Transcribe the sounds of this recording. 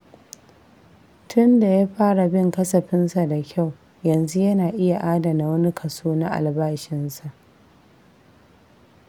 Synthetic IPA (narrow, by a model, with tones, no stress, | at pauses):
tʰʊ˦nda˨jaː˦ɸaː˦ɽa˨bɪ˦ŋkɐ˦sɐ˨ɸɪ˦nsa˨da˨kʲʰa˦˨w | jɐ˨nzu˦jɐ˦naː˨ʔɪ˦ja˨ʔaː˦da˨na˨wɐ˦ni˦kʰɐ˨suː˦na˦ʔa̰˨lbaː˦ʃɪ˦nsa˨ʔ